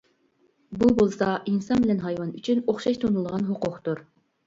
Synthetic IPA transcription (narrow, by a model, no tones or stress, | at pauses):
bubolˠsɑinsɑnbɪlɛnɦɑjwɑnyt͡ʃʰynoχʃɑʃt̪ʰonulˠʁɑnɦʊqʊqt̪uɾ